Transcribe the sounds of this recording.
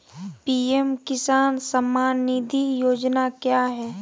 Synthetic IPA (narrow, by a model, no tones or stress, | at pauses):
piːemkɪsaːnsəmːaːnːid̪ʱijoːd͡ʒnakjaːɦɛː